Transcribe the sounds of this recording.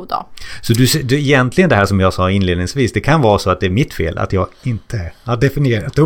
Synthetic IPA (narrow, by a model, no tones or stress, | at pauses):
d̪ɔ̰sɔd̪ɵsɛd̪ɛːjɛnt̪lɪɡənd̪ɛɦæːʂɔmjɑːɡsɑːɪnleːd̪nɪŋsviːsd̪ɛkʰanvɑːɾasɔat̪̚d̪ɛæɾmɪt̪ːfḛːlʔa̰t̪jɑːɡɪnt̪ʰəd̪ɛfɪnɪeːɾat̪ː